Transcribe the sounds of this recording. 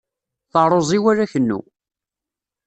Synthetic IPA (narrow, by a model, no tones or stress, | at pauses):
θɑɾˤozˤiwæɾæçənːṵ